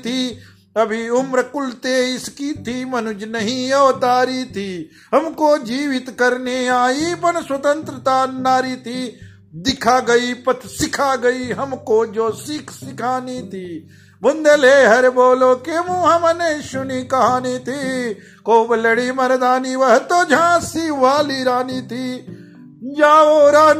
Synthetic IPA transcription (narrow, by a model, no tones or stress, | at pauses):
t̪ʰiː | ɐbʱiʊmɾɐkʊlt̪eːɪskiːt̪ʰiːmɐnʊd͡ʒnɐɦĩɐʋt̪aːɾit̪ʰiː | ɦɐmkoːd͡ʒiːʋɪt̪kɐɾneaːipɐñswɐt̪ɐ̃nt̪ɾət̪aːnaːɾit̪ʰiː | d̪ɪkʰaːɡɐipɐt̪ʰsɪkʰaːɡɐiɦɐmkod͡ʒoːsikʰsɪkʰaːnit̪ʰiː | bʊnd̪eleːɦɐɾboːloːkemũːɦɐmɐneːʃʊnikɐɦaːnit̪ʰiː | koːblɐɽiːmɐɾd̪aːniʋɐɦt̪oːd͡ʒʱãːsiːʋaːliɾaːnit̪ʰiː | d͡ʒaːoɾaː